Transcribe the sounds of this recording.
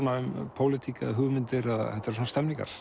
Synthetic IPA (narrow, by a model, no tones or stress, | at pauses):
naʏmpʰoːwlɪt̪ʰikaðɦʏɣmɪnt̪ɪɾaðhɛt̪ːaɾs̬ɔnast̪ɛmniŋka̰ɾ̥